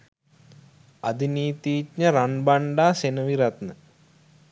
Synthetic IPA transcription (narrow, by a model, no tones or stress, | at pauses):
ad̪iniːt̪iːt̪ɲəɾanbaɳɖaːsenəʋiɾat̪nə